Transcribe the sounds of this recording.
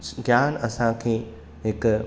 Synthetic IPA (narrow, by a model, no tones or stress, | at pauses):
ɡjaːnɐsãkʰeː | ɦɪk